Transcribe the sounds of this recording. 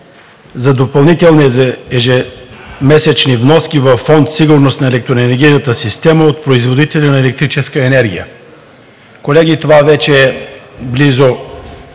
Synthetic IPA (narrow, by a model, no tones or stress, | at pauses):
zɐd̪opɐlˠnit̪ɛlˠnizɛʒɛmɛsɛt͡ʃnivnɔskʲivɐfːɔnt̪siɡʊɾnost̪nɐɛlɛk̚t̪ɾoɛnɛɾɡʲijnət̪əsist̪ɛməot̪̚pɾoizvod̪it̪ɛlʲinɐɛlɛk̚t̪ɾit͡ʃɛskəɛnɛɾɡʲijə̰ | kolɛɡit̪ovavɛt͡ʃɛːblizo